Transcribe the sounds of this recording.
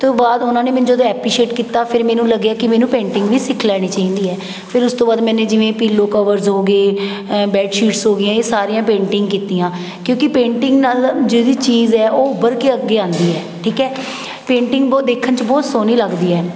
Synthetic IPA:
t̪õːbaːd̪ʊnãːneːmɛːnũd͡ʒəd̪õːɛːpliːʃeːʈkiːt̪aːpʰɪɾmɛːnũːləɡjaːkɪmeːnũːpẽːɳʈɪŋɡʋiːsɪkʰlɛːɽ̃iːt͡ʃaːĩːnd̪iːɛː | pʰɪɾʊst̪õːbaːd̪mɛ̃ːnẽːd͡ʒɪʋẽːpiːlːoːkəʋəɾzɦoːɡeː | bɛːɖʃiːʈsɦoːɡɪjãːeːsaːɾijãːpẽːɳʈɪ̃ŋɡkiːt̪ijãː | kjõːkɪpẽːɳʈɪŋɡnaːld͡ʒeːd̪iːt͡ʃiːzɛːʔoːʊbəɾkɪəɡeːãːnd̪iːɛː | ʈʰiːkɛː | pẽːɳʈɪŋɡbɔd̪eːkʰːənt͡ʃbɔːt̪soːniːləɡd̪iːɛː

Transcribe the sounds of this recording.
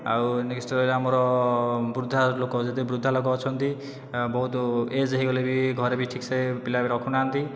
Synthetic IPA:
a̰wneksʈɔɾɔlamɔɾɔbɾud̪ʱːalokɔd͡ʒet̪ebɾud̪ʱːalok̬ɔːt͡ʃʰɔnt̪i | bɔɦut̪ɔed͡zeɦiɡɔlebiɡʱɔɾebiʈʰiksepilabiɾɔkʰunaːnt̪i

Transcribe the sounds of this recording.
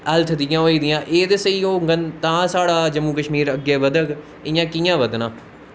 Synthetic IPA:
əlt̪ʰd̪ɪjãːɦoːiːd̪ɪjãːʔeːd̪eːsəiːoːŋɡənt̪ãːsaːɽaːd͡ʒəmːuːkəʃmiːɾəɡːeːʋəd̪ək | ɪjãːkiːjãːʋəd̪nãː

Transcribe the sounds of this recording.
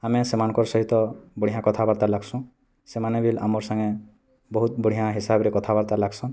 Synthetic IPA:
amɛsɛmankɔɹsɔɦit̪ɔbɔɽ̤iɦãkɔt̪ʰabaɾt̪alaɡsũ | sɛmanɛbila̰mɔɹsaŋe | bɔɦut̪̚bɔɽ̤ijãɦisabɾɛkɔt̪ʰabaɾt̪alaɡsɔ̃

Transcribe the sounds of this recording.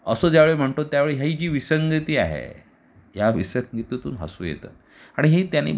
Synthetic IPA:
əsoːd͡ʑjaʋeɭem̤əɳt̪ot̪jaʋeɭeɦjaɦiːd͡ʑiːʋisəŋɡət̪iːa̰ɦḛ | ɦjaʋisəɡit̪ət̪ṵːnɦə̰suːjḛt̪ə̰ | aɽ̃iɦet̪janḭː

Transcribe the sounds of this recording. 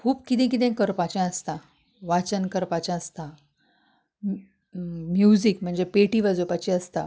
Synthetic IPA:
kʰuːpkit̪ẽk̬it̪ɛ̃kəɾpat͡ɕãəst̪a | ʋat͡ɕənkəɾpat͡ɕãəst̪a | mjud͡zikm̤əɳd͡zepeʈiʋad͡zopat͡ɕiəst̪a

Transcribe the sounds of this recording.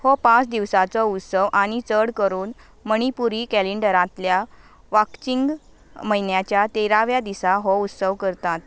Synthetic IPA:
hɔpãt͡sd̪iʋsat͡sɔut̪səʋʔaɽ̃it͡səɽkəɾuːn | məɽ̃ipuɾikæleɳɖəɾãt̪lja | ʋakt͡ɕiŋɡ | məɦinjat͡ɕjat̪eɾaʋjad̪isaɦɔut̪səʋkəɾt̪at̪

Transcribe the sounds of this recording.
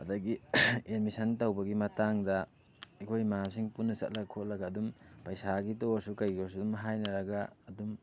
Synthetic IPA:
ɐdɐɡienmisɐntɐwbɐɡimɐtaŋdɐ | ikʰojmaamsiŋpunːɐsɐ̰t̚lɐɡɐkʰot̚lɐɡɐːdumpɐjsaɡitosukɐjɡos̬udumɦajnɐɾɐɡɐːdum

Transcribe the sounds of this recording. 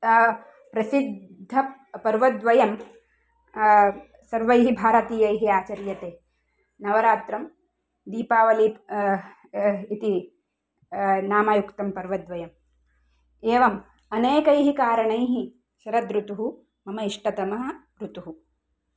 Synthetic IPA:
pɾɐsid̪ʱːɐpɐɾʋɐd̪ʋɐjɐm | sɐɾʋɐjɦibʱaːɾɐt̪iːjɐjɦiaːt͡ʃɐɾjɐt̪eː | nɐʋɐɾaːt̪ɾɐm | d̪iːpaːʋɐli | it̪i | naːmaːjukt̪ɐmpɐɾʋɐd̪ʋɐjɐm | eːʋɐm | ɐneːkɐjɦikaːɾɐɳɐjɦi | ʃɐɾɐd̪ɾut̪uɦu | mɐmɐiʂʈɐt̪ɐmɐɦɐ | ɾut̪uɦu

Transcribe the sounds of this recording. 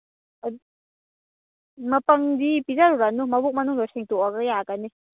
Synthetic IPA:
mɐpɐŋdipizaɾuɾanumɐbuk̚mɐnuŋlasiŋtɔaɡajaɡani

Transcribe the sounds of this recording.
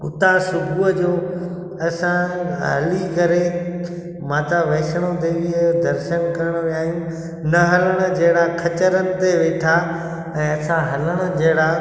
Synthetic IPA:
ʊ̰t̪asʊbʱuəd͡ʑoː | ɐsãɦɐ̰likɐɾe | mãːt̪aʋɐːsəɽ̃od̪eʋiod̪ɐɾʃənkɐɾəɽ̃ʋijaːɦijũ | nɐɦɐləɽ̃ə̆d͡ʑɐɦɪɽakʰɐt͡ɕəɾənɪ̆t̪eʋeːʈʰa | ɛ̃ːɐsãɦɐləɽ̃ə̆d͡ʑɐɦɪɽa

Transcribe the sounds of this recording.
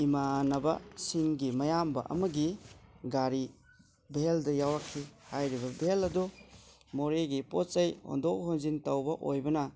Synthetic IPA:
imanɐbɐ̰siŋɡimɐjambɐ̰ʔɐ̰mɐɡiɡaɾi | bʱeldɐjawɾakʰːihajɾibɐbʱelɐdu | moɾeɡipot̚t͡ʃɐjho̰ndɔk̚honzintɐwbɐʔojbɐnɐ

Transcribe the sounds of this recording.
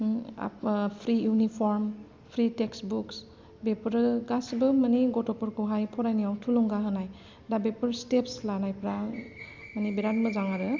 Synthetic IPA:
a̰pʰɾijunipʰɔɾm | pʰɾiteksbuks | bepɾɡasbɯmaniɡɔtɔpɔɾkʰuɦajpʰɔɾajnijawtʰulɔŋɡaɦɯnaj | dabepɯɾstepslanajpɾa | manibiɾanmɯzaŋaɾɯ

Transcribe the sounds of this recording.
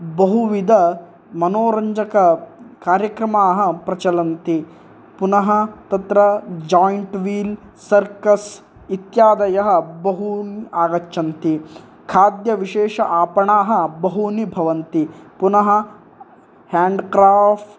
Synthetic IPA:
bɐɦuʋid̪ɐ | mɐnoːɾɐɲd͡ʒɐkɐkaːɾjɐkɾɐmaːɦɐ̆pɾɐt͡ʃɐlɐnt̪i | punɐɦɐt̪ɐt̪ɾɐd͡ʒaːiɳʈʋiːl | sɐɾkɐs | it̪jaːd̪ɐjɐɦɐbɐɦuniaːɡɐtːʃɐnt̪i | kʰaːd̪jɐʋiʃeːʂɐʔaːpɐɳaːɦɐ̆bɐɦunibʱɐʋɐnt̪ipunɐɦɐ̆ | haːɳɖkɾaːpʈ

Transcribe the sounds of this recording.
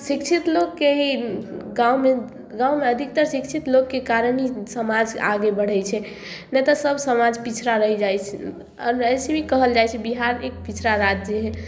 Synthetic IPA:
sikt͡ʃʰit̪lokːeɦiɡaume | ɡãwmeəd̪ʱik̚t̪əɾsik̚t͡ʃʰit̪lokːekaɾənɦisəmad͡ʒaɡebəɽ̤ɛjt͡ʃʰɛ | nɛt̪əsəbʱsəmad͡ʒpit͡ʃʰɾaɾəɦid͡ʒajt͡ʃʰ | ɾəjsebʱikəɦəld͡ʒajt͡ʃʰɛbiɦaɾek̚pit͡ʃʰɾaɾat̪̚d͡ʒeɦɛ

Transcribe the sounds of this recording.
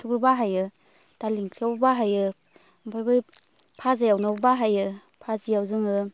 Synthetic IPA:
tʰuɡɾɯbaɦajɯ | d̥aliŋkʰiawbaɦajɯ | pʰajbɯj | pʰazajawnawbbaɦajɯ | pʰazijawzɯŋɯ

